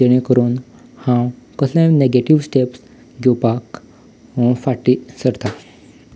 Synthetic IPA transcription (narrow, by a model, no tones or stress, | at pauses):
əɽ̃ẽkəɾun | hãwkəslɛ̃neɡeʈiʋsʈeps | ɡopak | ɔ̃faʈːisəɾt̪ʰa